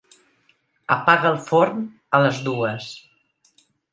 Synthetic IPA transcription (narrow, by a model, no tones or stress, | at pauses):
ə̰paɣəlˠfoɾn | ələzðuəs